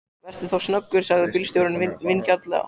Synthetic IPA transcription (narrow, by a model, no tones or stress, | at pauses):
vɛr̥t̪ɪθawsnœkːʏɾ̥saɣðɪpilst̪jowɾɪnvɪvɪnːcaɾt̪lɛ̰ɣa̰